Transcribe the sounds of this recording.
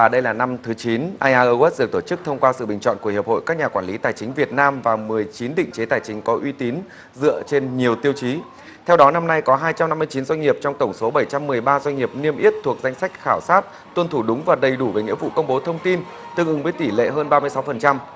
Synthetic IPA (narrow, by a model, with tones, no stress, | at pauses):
a˨˩ɗə˧jlaː˨˩na˧mt̪ʰɨ˨˦t͡ɕi˨˦nʔaː˧jʔaː˧ʔəː˧ɣwɛ˦˥ɗɨ˨˩t̪o˧˩t͡ɕɨ˦˥k̚t̪ʰə˧wŋ͡mkwaː˧sɨ̰˧˨ɓï˨˩ŋ̟t͡ɕɔ̰˧˨nku˧˩hi˨˩p̚ho̰˧˨jkaː˦˥k̚ɲaː˨˩kwaː˧˩nli˨˦t̪aː˨˩jt͡ɕï˨˦ŋ̟vi˨˩ət̚naː˧mvaː˨˩mɨ˨˩əjt͡ɕi˨˦nɗḭ̈˧˨ŋ̟t͡ɕe˨˦t̪aː˨˩jt͡ɕï˨˦ŋ̟kɔ˨˦ʔwi˧t̪i˨˦n | zɨ̰˧˨ət͡ɕe˧nɲi˨˩əwt̪i˧əwt͡ɕi˨˦ | t̪ʰɛ˧wɗɔ˨˦na˧mna˧jkɔ˨˦ɦaː˧jt͡ɕa˧mna˧mːɨ˧əjt͡ɕi˨˦nzwa˧jŋ̟ŋi˨˩əp̚t͡ɕɔ˧wŋ͡mt̪ə˧˩wŋ͡mso˨˦ɓə˧˩jt͡ɕa˧mːɨ˨˩əjɓaː˧zwa˧ŋ̟ŋi˨˩əp̚ni˧əmʔi˦˥ət̚t̪ʰu˨˩ək̚za˧jŋ̟sa˦˥k̚xaː˧˩wsaː˦˥t̚ | t̪wə˧nt̪ʰu˧˩ɗʊ˨˦ŋ͡mvaː˨˩ɗə˨˩jɗu˧˩ve˨˩ɲɨ̰˧˥vṵ˧˨kə˧wŋ͡mɓo˨˦t̪ʰə˧wŋ͡mt̪i˧n | t̪ɨ˨˩ŋʔɨ˨˦ŋvəː˨˦jt̪i˧˩lḛ˧˨ɦəː˧nɓaː˧mɨ˧əsa˨˦wfə˨˩nt͡ɕa˧m